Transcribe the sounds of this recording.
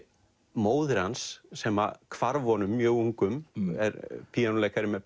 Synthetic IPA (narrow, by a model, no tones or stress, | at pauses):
moːwðʏɾansːɛːma̰kʰvaɾvɔnʏmːjœːɣuŋkʏmɛ̰ɾpʰijanʊleːjkaɾɪmɛp